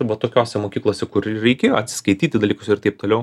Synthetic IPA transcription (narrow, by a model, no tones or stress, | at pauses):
ʋɐt̪oːkʲoːsʲɛmoːkʲiːklˠoːsʲɛkʊɾɾʲɛɪkʲeːjoːɐt̪ʲsʲɪ̥skɐɪt̪ʲiːt̪ʲɪd̪ɐlʲiːkʊsʲɪrt̪ɐɪp̚t̪oːlʲɛʊ